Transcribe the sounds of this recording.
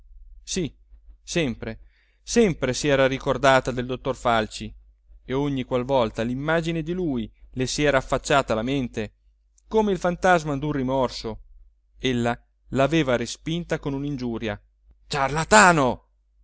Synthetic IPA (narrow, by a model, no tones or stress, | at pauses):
si | sɛmpɾe | sɛmpɾesiɛːɾaɾikord̪aːt̪ad̪eld̪ot̪ːorfalt͡ʃi | eoɲːikwalvɔlt̪alimːaːd͡ʒined̪iluːjlesiɛːɾaːfːat͡ʃːaːt̪alament̪e | koːmeilfant̪azmad̪urrimɔrso | elːa | laveːvaɾespint̪akonunind͡ʒuːɾja | t͡ʃarlat̪aːno